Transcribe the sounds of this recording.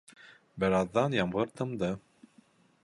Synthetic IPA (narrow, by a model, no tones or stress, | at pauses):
bɘ̆ɾɑðːɑnjɑmʁɤ̆ɾt̪ɤ̆md̪ɤ